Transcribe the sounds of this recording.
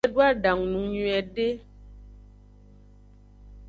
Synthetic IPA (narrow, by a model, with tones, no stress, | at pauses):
dwa˦˨da˨ŋnu˨˦ɲɥɛ˨de˦